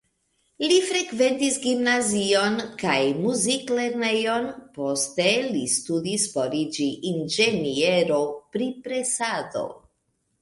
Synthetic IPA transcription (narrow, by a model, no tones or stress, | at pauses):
lifɾe̞kve̞ntisɡimnazio̞nkajmuzikle̞ɾne̞jo̞npo̞ste̞listudisfoɾid͡ʒiʔːnd͡ʒe̞nie̞ɾo̞pɾipɾe̞sado̞̰